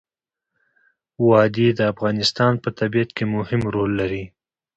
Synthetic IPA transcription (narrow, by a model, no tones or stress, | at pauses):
wɑd̪ed̪əafɣɑnɪst̪ɑnpət̪abijat̪kemʊhɪmɾolːaɾi